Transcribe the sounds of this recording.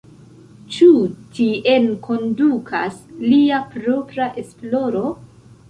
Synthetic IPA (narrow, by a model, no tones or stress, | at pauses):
t͡ʃutiʔe̞nkʰo̞ndukʰasliapɾo̞pɾaʔe̞splo̞ɾo̞